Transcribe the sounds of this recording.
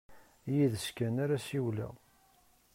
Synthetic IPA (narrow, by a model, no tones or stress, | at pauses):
jiðəskænaɾasiwlæ̰